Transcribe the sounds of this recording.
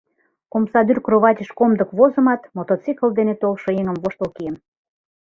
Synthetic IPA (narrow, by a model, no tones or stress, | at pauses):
komsɑd̪yrkroβɑt̪ʲəʃkomd̪ə̆kβozə̆mɑt̪mot̪ot͡sikə̆ld̪enet̪olʃŏeŋə̆mvoʃt̪əlkijəm